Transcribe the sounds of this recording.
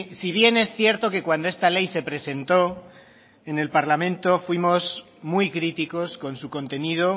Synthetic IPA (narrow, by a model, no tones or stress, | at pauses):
siβ̞je̞ne̞sθje̞ɾt̪o̞ke̞kwand̪o̞e̞st̪ale̞jse̞pɾe̞se̞nt̪o̞ | e̞ne̞lpaɾlamẽ̞nt̪o̞fwimo̞s | mujkɾit̪iko̞sko̞nsuko̞nt̪e̞nið̞o